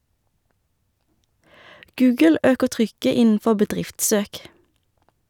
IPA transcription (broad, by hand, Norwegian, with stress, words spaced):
ˈɡʉːɡəl ˈøːkəʁ ˈtʁʏkə ˈɪnn̩ˌfɔ bəˈdʁɪftˌsøːk